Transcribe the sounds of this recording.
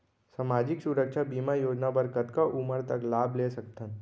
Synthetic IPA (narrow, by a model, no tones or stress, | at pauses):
samaːd͡ʒɪksʊɾəkʃʰabiːmajoːd͡ʒnabəɾkət̪kaʔuməɾt̪ɐklaːbleːsɐkt̪ən